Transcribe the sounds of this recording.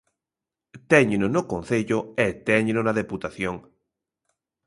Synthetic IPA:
t̪ɛɲenonokõn̟θeʎoet̪ɛɲnonaðeput̪aθjoŋ

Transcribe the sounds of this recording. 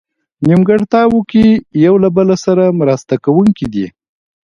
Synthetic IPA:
nimɡaɽt̪ɑwukijawlabəlasaɾamɾast̪akawuŋkid̪i

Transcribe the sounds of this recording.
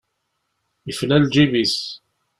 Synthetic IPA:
jəflæld͡ʒivis

